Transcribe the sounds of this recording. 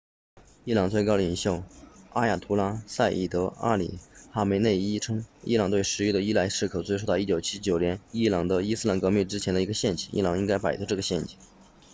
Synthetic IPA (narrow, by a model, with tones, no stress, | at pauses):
i˥˩lɑ˨˩ŋt͡swɪkɑ˥ʊəi˨˩ŋɕjo˥˩ʊa˥ja˨˥˩t̪ʰu˧˥la˥sa˥˩ɪʔḭ˨˩t̪ɤ˧˥a̰˥lḭ˨˩xa˥me˧˥ɪne˥˩ɪi˥ʈ͡ʂʰɤ˥ŋḭ˥lɑ˨˩ŋt̪we˥˩ɪʂɻ̩˧˥y˥˩d̪ə˩i˥la˧˥ɪʂɻ̩˥˩kʰɤ˨˩ʊt͡swe˥˧ɪʂt̪ɑ˥˧i˥t͡ɕjo˨˩ʊt͡ɕʰi˥t͡ɕjo˨˩ʊnjɛ˧˥ni˥lɑ˨˩ŋd̪ə˧i˥sɹ̩˥la˧˥nkɤ˧˥mi˥˩nʈ͡ʂɻ̩˥t͡ɕʰɛ˧˥nd̪ə˧i˧˥ɡə˧ɕjɛ˥˩nt͡ɕḭ˨˩i˥lɑ˨˩ŋi˥ŋka˥ɪpa˨˩ɪt̪ʰɤ˧˥ʈ͡ʂɤ˥˩ɡə˩ɕjɛ˥˩nt͡ɕi̥˨˩